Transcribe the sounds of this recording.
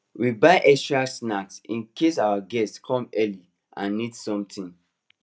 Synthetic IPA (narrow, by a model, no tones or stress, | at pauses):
wibaɪʔɛkstɹasnaksḭ̃nkʰesawaɡɛstskʰɔ̃mɛli | ʔãnːidsɔ̃mtĩn